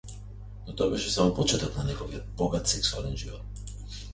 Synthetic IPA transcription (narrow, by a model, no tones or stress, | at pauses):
not̪oabɛʃɛsamopɔt͡ʃɛt̪ɔknanɛɡɔviɛt̪̚bɔɡat̪sɛksualɛnʒivɔt̪̚